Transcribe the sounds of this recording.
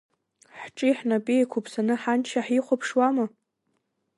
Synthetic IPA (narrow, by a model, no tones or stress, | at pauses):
ħʈ͡ʂʼiħnapʼijkʷʰupʰsanɨħant͡ʃʰaħiχʷopʰʂwama